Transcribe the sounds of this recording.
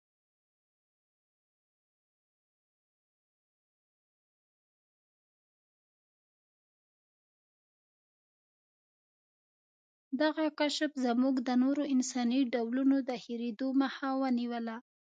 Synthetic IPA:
d̪aɣakaʃəfzəmuɡd̪ənoɾoɪnsɑniɖawlunod̪əhiɾed̪omaxawəniwəla

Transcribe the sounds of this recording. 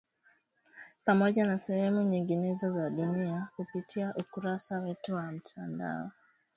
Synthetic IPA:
pamɔʄanasɛhɛmuɲiŋɡinɛzɔzaɗuniakupitʰiaʔukuɾasawɛtuwam̩tʰanda̰ɔ

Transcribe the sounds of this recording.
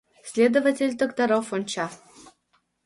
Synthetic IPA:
sʲlʲed̪əvatʲelʲt̪okt̪ɐɾofonʲt͡ɕa

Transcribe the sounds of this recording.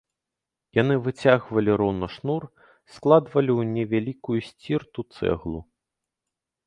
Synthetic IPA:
janɨvɨt͡sʲaɣvɐlʲiɾɔnɔʂnur | sklˠad̪vɐlʲiwnʲɛvʲalʲikujusʲt͡sʲirt̪ut̪sɛ̰ɣlˠu

